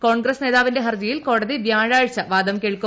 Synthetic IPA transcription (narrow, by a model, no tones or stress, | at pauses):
koːɳɡɾɐsneːðaːʋindeɦɐrd͡ʑɐjilko̞ːɽɐðiʋjaːɻaːɻt͡ɕːɐʋaːd̪ɐmkeɻkːu